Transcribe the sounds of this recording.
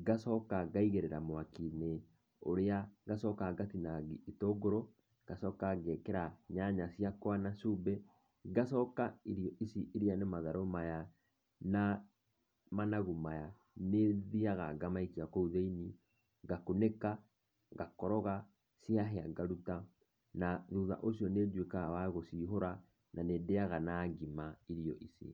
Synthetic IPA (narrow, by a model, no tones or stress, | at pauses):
ɡasɔkaɡaiɣeɾɛɾamwakine | oɾeaɣasɔkaɡatinaɡiitoɡoɾɔ | ɡ̥asɔkaɡɛkɛɾaɲaɲasiakwanasubɛ | ɡasɔkaiɾiɔisiiɾianemaðaɾomaja | na | manaɣumaja | neðiaɣaɡamaikiakouðeini | ɡakoneka | ɡakɔɾɔɣa | siaɦeaɡaɾuta | naðuða̰ʔosjɔned͡ʒwekawaɣosiɦoɾa | nanedeaɣanaːɡimaiɾiɔʔisḭ